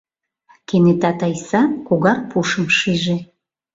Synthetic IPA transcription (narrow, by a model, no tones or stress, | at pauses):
kenet̪ɑt̪ɑjsɑkuɣɑrpuʃə̆mʃiʒe